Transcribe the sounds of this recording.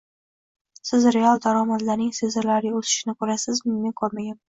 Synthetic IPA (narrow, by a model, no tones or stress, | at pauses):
sɪzɾealˠd̪aɾɒmad̪laɾnɪŋsezɪɾlaɾʲaosɪ̥ʃɪnɪkʰɵɾasɪzmɪmeŋkʰoɾmaɡʲam